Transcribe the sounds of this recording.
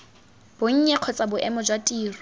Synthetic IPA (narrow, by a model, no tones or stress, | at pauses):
b̥oŋ̩ɲɛq͡χʰɔt͡sʼabʊʔɛmɔd͡ʒwatʼiːrʊ